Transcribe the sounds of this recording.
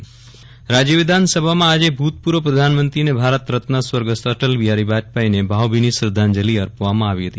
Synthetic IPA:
ɾad͡ʒjəʋɪd̪ʱansəbʱamãad͡ʒebʱut̪̚puɾʋəpɾəd̪ʱanmənt̪ɾinebʱaɾət̪ɾət̪nasʋəɾɡəst̪əʈəlʋiɦaɾibat͡ʃpainebʱaʋbʱinisɾəd̪ʱand͡ʒəliəɾpʋamãaʋiɦət̪i

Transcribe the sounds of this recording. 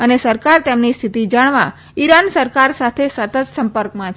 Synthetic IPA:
ənesəɾkaɾt̪emnist̪ʰit̪id͡ʒaɳʋã | iɾansəɾkaɾsat̪ʰesət̪ət̪sə̃mpəɾkmãt͡ʃʰ

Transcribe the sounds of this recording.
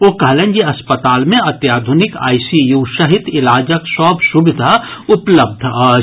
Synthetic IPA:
oːkɐɦlẽːnjeɐspət̪aːlmẽɐt̪jaːd̪ʱʊnɪka̰ːisijuːʃɐɦɪt̪ɪlaːd͡ʒəksɔːbsʊbɪd̪ʱaʊpləb̚d̪ʱa

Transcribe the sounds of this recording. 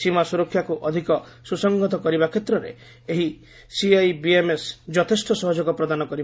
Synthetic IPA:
simasuɾɔkʰːjakuʔɔd̪ʱikɔ | susɔŋɡɔt̪ɔkɔɾibakʰet̪ɾɔɾḛ | eɦi | siajbiemesd͡ʒɔt̪ʰesʈɔsɔɦɔd͡ʒɔɡɔpɾɔd̪anɔkɔɾib

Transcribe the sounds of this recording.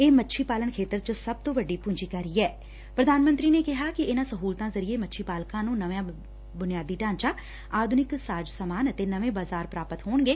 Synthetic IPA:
eːmətːʃʰiːpaːlənkʰeːt̪əɾt͡ʃəsəb̚t̪õːʋəɖiːpʊ̃ɲd͡ʒiːkəɾiːɛː | pɾəd̪aːnmənt̪ɾiːneːkɪɦaːkɪɪnãːsəɦuːlt̪ãːzəɾieːmətːʃʰiːpaːlkãːnũːnəʋjãː | bʊnɪjaːd̪iːʈãːnt͡ʃaː | aːd̪ʱʊnɪksaːd͡ʒsəːmaːnət̪eːnəʋẽːbaːzaːɾpɾaːpət̪ɦoːɳɡeː

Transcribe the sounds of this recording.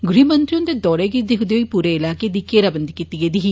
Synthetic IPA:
ɡɽimɐnt̪ɾijõnd̪ed̪ɔːɾeɡid̪eɦud̪ejoːipuːɾeɪlaːked̪ikeːɾabɐnd̪ikit̪ːiɡed̪iɦi

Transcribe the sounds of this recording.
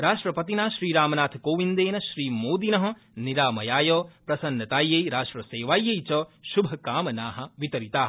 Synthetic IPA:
ɾaːʂʈɾɐpɐt̪inaːʃɾiːɾaːmɐnaːt̪ʰkoːʋind̪eːnɐʃɾiːmoːd̪inɐɦɐ̆ | niɾaːmɐjaːjɔːpɾɐsɐnːɐt̪aːjːɐjɾaːʂʈɾɐseːʋaːjːɐjt͡ʃɐːʃubʱɐkaːmɐnaːɦɐ̆ʋit̪ɐɾit̪aːɦɐ

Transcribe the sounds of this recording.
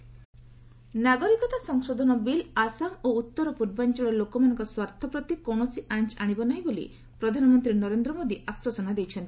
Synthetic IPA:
naɡɔɾikɔt̪asɔŋsod̪ʱɔnɔbilasaŋout̪ːɔɾɔpuɾbant͡ʃɔɾɔlokɔmanɔ̃ŋkɔswaɾt̪ʰɔpɾɔt̪ikɔ̃ɔsiʔant͡ʃaɽ̃ibɔnaɦĩbolḭ | pɾɔd̪ʱanɔmɔnt̪ɾinɔɾend̪ɾɔmod̪iaswɔsɔnad̪ejt͡ʃʰɔnt̪ʰi̥

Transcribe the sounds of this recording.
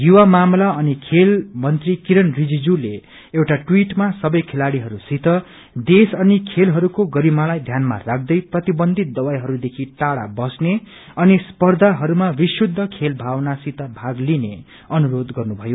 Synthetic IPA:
juwamamlaʌnikʰelmʌnt̪rikiɾʌnrid͡zid͡zule | ewʈaʈwiʈmasʌbʌjkʰelaɽiɦʌɾusit̪ʌ | d̪esʌnikʰelɦʌɾukoɡʌɾimalajd̪ʱjanma̰rak̚ʰd̪ʌjprʌt̪ibʌnd̪ʱit̪̚d̪ʌwajɦʌɾud̪ekʰiʈaɽa̰bʌsne | ʌnispʌrd̪ʱaɦʌɾumabisud̪ʱːʌkʰelbʱawnasit̪ʌbʱaɡline | ʌnuɾod̪ɡʌrnubʱʌjo

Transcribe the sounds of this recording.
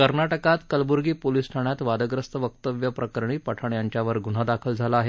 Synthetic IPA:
kəɾnaʈəkat̪kəlbuɾɡiːpoliːsʈʰaɳjat̪ʋad̪əɡɾəst̪əʋək̚t̪əʋjəpɾəkəɾɳiːpəʈʰəɳjaɲt͡ɕjaʋəɾɡuɽ̤ad̪akʰəld͡zʱalaaɦe

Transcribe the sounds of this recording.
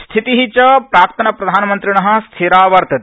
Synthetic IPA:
st̪ʰit̪iɦit͡ʃɐpɾaːpt̪ʰɐnɐpɾɐd̪ʱaːnɐmɐnt̪ɾiɳɐɦɐ̆st̪ʰiɾaːʋɐɾt̪ɐt̪

